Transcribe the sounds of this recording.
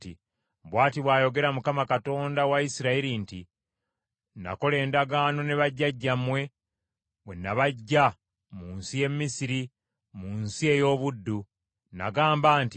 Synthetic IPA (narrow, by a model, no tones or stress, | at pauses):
ti | bwaːtiβwaːjo̞ɡe̞ɾamukamakato̞ːndawaisiɾaiɾinti | na̰ko̞le̞ːndaɡaːno̞neβaɟːaɟːamwe̞ | βwenːaβaɟːa | muːnsie̞mmːisiɾi | muːnsie̞jo̞ːβudːu | na̰ɡaːmbaːnti